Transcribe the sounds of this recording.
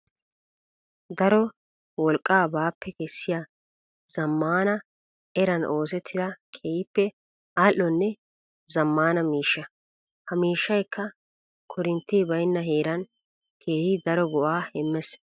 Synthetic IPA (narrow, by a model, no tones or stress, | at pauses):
d̪ɐɾɔ | wɔlkʼːaːbaːpːɛkɛsːɪja | z̥ɐmːaːnɐ | ɛɾɐnʔo̞ːs̬ɛt̪ːɪd̪ɐkʰejɪpːɛ | aːlːɔnːɛ | zɐmːaːnɐmiːʃːɐ | hɐmiːʃːɐjkːɐ | kʰɔɾɪnt̪ːibɐjnːɐɦeːɾɐn | kʰe̞ːhɪd̪ɐɾɔɡɔʔaːhɛmːɛs